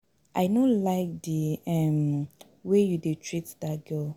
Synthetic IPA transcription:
aɪnõlaɪk̚diɛ̃m | wejudetʰɹitdat̚ɡ̥ɜ

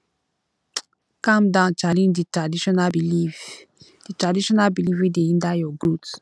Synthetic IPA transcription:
kãmdãʊ̃nt͡ʃalĩnditadiʃɔnabii | d̥itɹadiʃɔnalbilivideĩndajɔɡɹuts

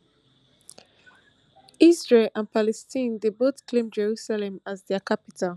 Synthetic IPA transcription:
izɹelãnpʰalɛstʰĩndebotkʰlẽmd͡ʒɛɹusalɛ̃mazðɛkʰapitʰal

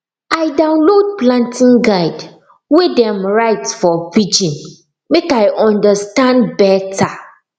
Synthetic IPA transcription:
ajdãʊ̃nlod̚plãntʰĩŋɡaɪd | wedɛ̃mɹaɪtsfɔvid͡ʒĩn | mekajʔɔ̃ndəstãndbɛtʰa

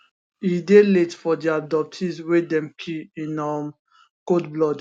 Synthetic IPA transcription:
ideletfɔdiadɔp̚tʰizwedɛ̃mkʰiĩnɔm | kodblɔd

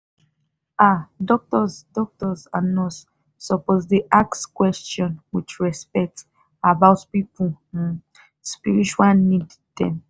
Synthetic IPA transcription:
adɔk̚tɔzdɔk̚tɔzanɔs | sɔpɔzdiʔakskwɛst͡ʃɔ̃nwit͡ʃɹɛspɛk̚t | abaʊtpipũ | spiɹit͡ʃuwalnid | d̥ɛ̰̃m

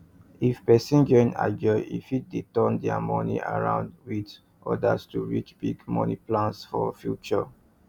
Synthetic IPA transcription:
ifpɛsĩnd͡ʒɔĩna̰ɡɔḭfit̚detɔ̃ndɛa̰mɔnḭʔa̰ɹãʊ̃ndwid | ʔɔdastuɹit͡ʃbiɡmɔniplãnsfɔfjut͡ʃɔ

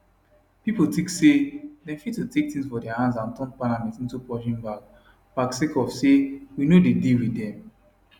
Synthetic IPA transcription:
pipotiksedɛ̃ɱfittːutek̚tĩŋsfɔdɛahãns̬ãntɔ̃npalamɛ̃ntĩntupɔʃĩmbaɡ | b̥aksekɔvsewinodediwidɛ̃m

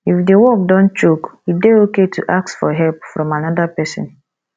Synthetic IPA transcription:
ifdewɔkdɔ̃nt͡ʃokideoketʰṵʔak̚sfɔɦɛlpfɹɔ̃manɔdapɛsɪ̰̃n

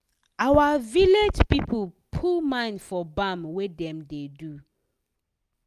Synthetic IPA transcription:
ʔawaviled͡ʒpipʰulpʰulmãj̃ndfɔbãmwedɛ̃mdedu

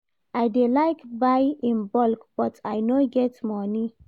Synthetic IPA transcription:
ajdelaɪkbajɪ̃nbɔlkb̥ʌtʰajnoɡɛtmɔni

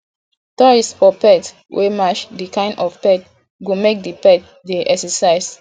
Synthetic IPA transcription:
tɔɹistfɔpɛt | wʔemaʃdikãɪ̃ndɔfpɛt̚ | ɡumek̚dipɛt̚ | deʔɛksɛsaɪs

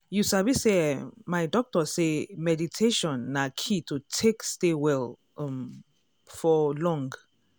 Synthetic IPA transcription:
jusabisemajdɔk̚tɔsemɛditʰeʃɔ̃nːakʰitʰutʰekstewɛl | ɔ̃m | fɔlɔ̃ŋɡ

